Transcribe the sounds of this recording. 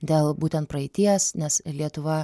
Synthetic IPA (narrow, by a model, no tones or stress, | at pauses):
d̪ʲeːlˠbuːt̪ʲɛnt̪pɾɐɛɪt̪ʲiɛɛsnʲɛslʲiɛt̪ʊʋɐ